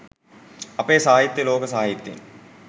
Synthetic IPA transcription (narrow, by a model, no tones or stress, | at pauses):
ɐpeːsɐɦaːɦit̪ːjɐloːkəsɐɦaːɦit̪ːjḛn